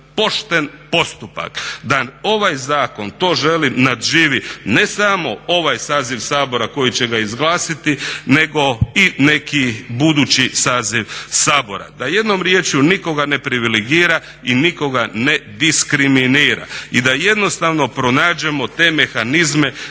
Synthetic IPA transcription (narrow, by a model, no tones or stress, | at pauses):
po̞ʃt̪e̞npo̞st̪upa̰kd̪ao̞ʋajzaːko̞nt̪o̞ːʒe̞limnad̪ʒiːʋine̞samo̞o̞ʋajsaːziʋsaːbo̞ɾako̞jit͡ɕe̞ɡaizɡlaːsit̪ine̞ɡo̞ine̞kibud̪uːt͡ɕisaːziʋsaːbo̞̰ɾa̰d̪aje̞d̪no̞mɾjeːt͡ʃuniko̞ɡane̞pɾiʋileɡiːɾa | iniko̞ɡane̞d̪iskɾiminiːɾa̰id̪aje̞d̪no̞st̪aʋno̞pɾo̞naːd͡ʑemo̞t̪e̞ːme̞xanizme̞